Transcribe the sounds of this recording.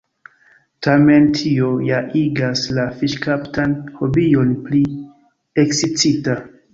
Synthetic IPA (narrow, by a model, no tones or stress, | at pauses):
tʰame̞ntʰiojaʔiɡaslafiʃkaptʰanho̞bio̞npli | eksit͡sita